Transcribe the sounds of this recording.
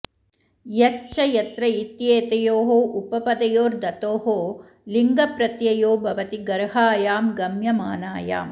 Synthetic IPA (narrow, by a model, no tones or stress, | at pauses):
jɐkt͡ʃɐjɐt̪ɾɐit̪jeːt̪ɐjoːɦoːʔupɐpɐd̪ɐjoːɾd̪ɐt̪oːɦoː | liŋɡɐpɾɐt̪jɐjoːbʱɐʋɐt̪iɡɐɾɦaːjaːmɡɐmjɐmaːnaːja̰ːm